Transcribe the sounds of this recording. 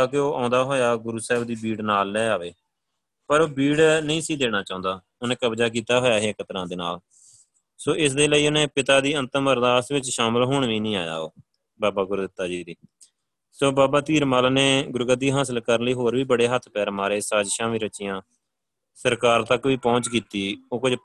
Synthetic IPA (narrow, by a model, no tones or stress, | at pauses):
aːkeoːʔãːnd̪aːɦoːjaːɡʊɾuːsɛːɦɪbd̪iːbiːɽnaːlːɛːaːʋeː | pəɾoːbiːɽnəĩːsiːd̪eːɽ̃aːt͡ʃãːʊ̃nd̪aː | ʊnẽːkəbd͡ʒaːk̬iːt̪aːɦoːjaːɦeːkət̪ɾãːd̪eːnaːl | soːʔɪsd̪eːləiːʊnẽːpɪt̪aːd̪iːənt̪əməɾd̪aːst̪ʋɪt͡ʃʃaːməlɦoːɳʋĩːnĩːa̰ːja̰ːo̰ː | baːbaːɡʊɾd̪ɪt̪ːaːd͡ʒiːd̪iː | soːbaːbaːt̪iːɾmaːlneːɡʊɾɡəd̪iːɦaːs̬əlkəɾənləiːɦoːɾʋiːbəɽeːɦət̪ʰpɛːɾmaːɾeːsaːd͡ʒʃãːmiːɾət͡ʃɪjãː | səɾkaːɾt̪əkʋiːpɔ̃ːt͡ʃkiːt̪iːoːkʊd͡ʒ